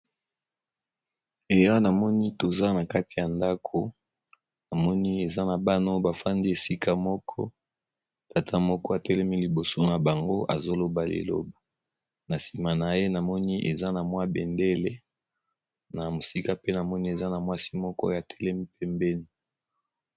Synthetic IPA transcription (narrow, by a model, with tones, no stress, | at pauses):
e˨ja˦na˨mɔ˦ni˦to˨za˦na˨ka˦ti˨ja˨nda˦kʰo˨ | na˨mɔ˦ni˦e˨za˦na˨ba˦no˦ba˨fa˦ndi˦e˨si˦ka˦mɔ˦kʰɔ̰˦ | ta˨tʰa˦mɔ˦kɔ˦a˨tɛ˦lɛ˦mi˦li˨bo˨so˦na˨ba˨ŋɡo˦ʔa˨zo˦lo˨ba˨lḛ˨lo̰˦ba˨ | na˨si˨ma˨na˨je˦na˨mɔ˦ni˦ʔe˨za˦na˨mwa˦bɛ˨nde˦le˦ | na˨mo˨si˦ka˦pe˦na˨mɔ˦ni˦e˨za˦na˨mwa˦si˦mɔ˦kɔ̰˦ja˨tʰɛ˦lɛ˦mi˦pɛ˦mbɛ˦ni˦